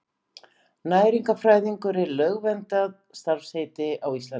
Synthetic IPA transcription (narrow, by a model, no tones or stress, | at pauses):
naːjɾiŋkafɾaːjðiŋkʏɾɛɾlœɣvɛnt̪aðst̪aɾ̥fsheːjt̪ɪʔawist̪lan